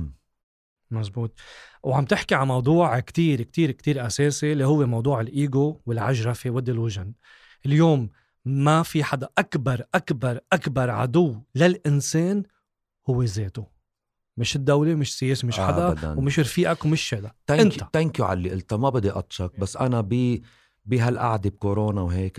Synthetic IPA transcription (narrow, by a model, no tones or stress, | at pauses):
masbuːt̪̚ˤwʕamt̪ɪħkiʕanmɑwd̪ˤuːʕkt̪iːɾkt̪iːɾkt̪iːɾʔaseːsilihʊwːemɑwd̪ˤuːʕɪlʔiːɡowɪlʕaʒɾˤɑfewɪd̪ːɪlʊʒɪn | ʔɪljoːmː | afiħad̪aʔakbɑɾˤʔakbɑɾˤʔakbɑɾˤʕa̰d̪ʊwːlalʔɪnseːn | hʊwːezeːt̪ʊ | mɪʃɪd̪ːawlemɪʃsɪjeːsimɪʃħad̪ad̪a̰nwmɪʃɾfiːʔakwmɪʃːeːd̪at̪aʔɪnt̪ḁt̪aŋkjuʕa̰lːiʔɪlt̪amabɪd̪ːiʔɑt̪ˤʃɑk̚basːʔanabi | biɦalʔa̰ʕd̪ib̚koɾoːnawɦeːk